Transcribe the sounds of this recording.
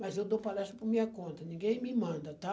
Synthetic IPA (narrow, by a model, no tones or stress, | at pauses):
mɐzewd̪opalɛst̪ɾɐpʊmĩɲɐkõnt̪ɐnĩŋɡẽj̃mɪmɐ̃nd̪ɐt̪a